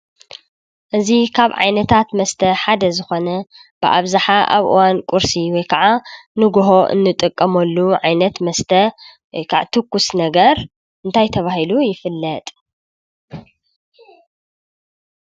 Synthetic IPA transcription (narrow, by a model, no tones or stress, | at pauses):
ʔɨzikʰaβʕa̰jnɐt̪ʰat̪mɐst̪ʰɐħad̪ɐzɨxo̞nɐ | b̥ɨʔa̰βzaħaʔa̰βʔɨ̰wankʼuɾsiwɔjkʰaʕanɨɡoɦo̞ʔɨ̰nːɨt̪ʼɨkʼːɐmɐlːuʕajnɐt̪mɐst̪ʰɐ | wjkʰaʕt̪ʰɨkːusnɐɡɐɾ | ʔɨnt̪ʰajt̪ʰɐβahilujɪfɨlːɐt̪ʼ